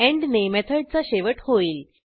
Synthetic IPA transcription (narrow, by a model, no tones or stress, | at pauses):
ɛ̃ɳɖnemɛt̪ʰəɽ̚t͡saɕeʋəʈhoiːl